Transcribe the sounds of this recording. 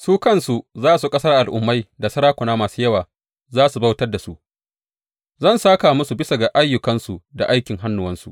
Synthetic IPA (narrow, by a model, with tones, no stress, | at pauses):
suː˦kɐ˦˨nsu˨zaː˦su˨kʼɐ˦sɐ˦rʔa˨lʔʊ˨mːa˦jda˨sɐ˦ɾaː˦kʷʊ˨naː˦maː˨su˦jɐ˦waː˨ | zaː˦su˨ba˦wtɐ˦rda˨su˨ʔ | zɐ˦˨nsaː˦ka˨mʊ˦su˨bɪ˦sa˨ɡa˨ʔa˦jːʊ˨kɐ˦nsu˨da̰˨ʔa˦jkʲɪ˨ŋɦa˦nːʊ˨wɐ˦nsu˨ʔ